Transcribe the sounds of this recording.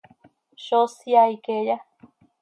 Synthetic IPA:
ʃosiajkeja

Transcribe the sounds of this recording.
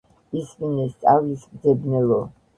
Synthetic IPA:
iskinɛst̪sʼavlismd̪zɛbnɛlɔ

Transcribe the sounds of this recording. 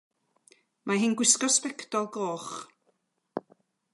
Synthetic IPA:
maɦɪnɡwɪskɔspɛkdɔlˠɡoːχ

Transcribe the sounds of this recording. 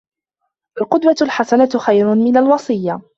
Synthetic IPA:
ʔalqʊd̪walħasanat̪xajɾʊmɪnalwɑsˤɨjːa

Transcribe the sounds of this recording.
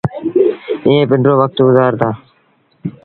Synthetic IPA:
ɪ̃ɦẽːpɪɳɖɾoːʋək̚t̪ɡʊzaːɾt̪aː

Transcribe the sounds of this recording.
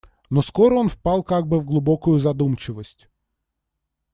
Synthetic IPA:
nɔskoɾəonfpalˠkaɡ̚bɨvɡlˠʊbokʊjʊzɐd̪umt͡ɕɪvəsʲtʲ

